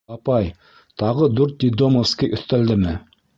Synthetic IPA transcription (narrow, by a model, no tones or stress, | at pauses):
ɑpɑj | t̪ʰɑʁəd̪ɵɾt̪̚d̪id̪omoskʲiʔɵθt̪æld̪ɪmɪ